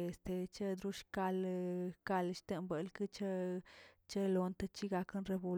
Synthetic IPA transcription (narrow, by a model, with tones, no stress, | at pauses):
e˨st̪e˨t͡ʃe˦d̪ɾu˦ʂka˧lka˧lʃt̪e˧mbə˨lkɨ˦t͡ʃa˦ | t͡ʃe˦lo˧nt̪a˧t͡ʃi˦ɡa˧knɾe˧bu˧